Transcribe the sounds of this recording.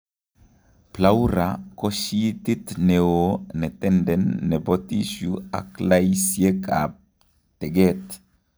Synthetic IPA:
plauɾakoʃit̪it̪neonɛt̪ɛndɛnːɛbɔtiʃua̰klajsjeka̰ | tɛɡɛt̪

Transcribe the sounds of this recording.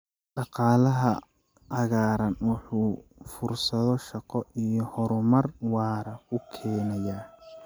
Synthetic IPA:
ɖɑqɑːlɐɦɐ | ɐɣaːɾɐnwɑħuːfʊrsɐðɔʃɑqɔijɔhɔɾʊmɐrwɑːɾɐʊkʰɛːnɐjaː

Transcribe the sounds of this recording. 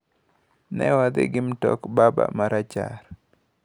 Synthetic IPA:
nɛwad̪eɡɪmtɔkbaba̰maɾat͡ʃaɾ

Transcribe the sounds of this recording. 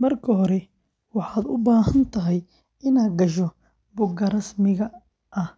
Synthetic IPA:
mɐrkʰɐɦɔɾɛ | wɑħɑːd̪ʊbaːɦɐnt̪ʰɐɦɛj | ɪnaːɡɐʃ̬ɔ | bʊɡɐɾɐsmɪɣɐ | ʔɐh

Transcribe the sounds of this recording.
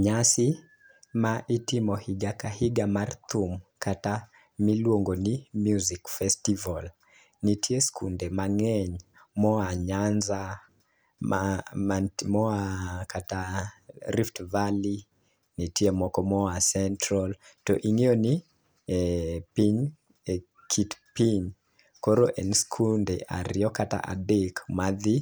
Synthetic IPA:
ɲasi | maʔitimɔhiɡakahiɡamart̪ʰumkata | milwoŋɡonimjuzikfɛstival | nitʰieskʰṵndɛmaŋɛɲ | mɔaɲanza | a | mɔakata | ɾiftvali | nitiemɔkɔmɔasɛntɾɔltɔ̰ʔiŋioni | piɲ | kʰitpiɲ | koɾoʔɛnskʰundeʔa̰ɾiɔkata̰ʔa̰dekmaði

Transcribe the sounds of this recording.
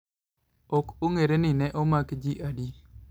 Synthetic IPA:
okoŋeɾenɪnɛʔomakd͡ʒiʔadi

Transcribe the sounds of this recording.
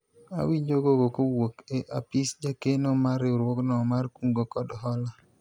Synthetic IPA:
a̰wiɲd͡ʒoɡokokowokeʔa̰pisd͡ʒakenɔmaɾɪʊɾwɔknɔmarkuŋɡokɔdɔɦɔla

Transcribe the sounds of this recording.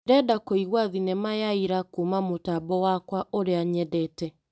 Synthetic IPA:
ɾɛdakoiɣwaðinemajaiɾakumamotabɔwakwaoɾeaɲɛdɛːtɛ

